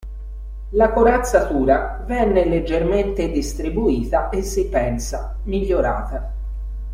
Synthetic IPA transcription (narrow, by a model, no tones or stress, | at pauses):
lakoɾat̪sːat̪uːɾa | vɛnːeled͡ʒːerment̪ed̪ist̪ɾibuiːt̪aʔesːipɛnsa | miʎːoɾa̰ːt̪a